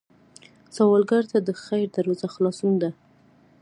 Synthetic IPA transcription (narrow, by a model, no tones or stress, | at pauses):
sawɑlɡaɾt̪ad̪əxajɾd̪aɾɑzaxlɑsund̪a